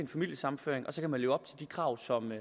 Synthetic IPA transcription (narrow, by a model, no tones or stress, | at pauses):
enfæmil̰jəsɑ̈mn̩fø̰ɐeŋʔɒ̽sɒ̽kʰæmænle̝ːʊɒ̽b̥t͡sʰe̝ld̥ikʰʁɑ̈ʊ̰sɒ̽m